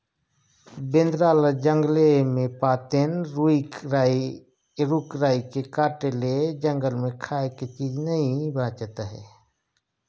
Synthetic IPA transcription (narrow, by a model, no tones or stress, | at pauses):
bẽnd̪ɾaːləd͡ʒəŋɡlemẽpaːt̪enɾuikɾai | ɾuːkɾaːikekaːʈeled͡ʒə̃ŋɡəlmẽkʰaːeket͡ʃiːd͡ʒnəɦĩbãːt͡ʃət̪ɦɛ̰ː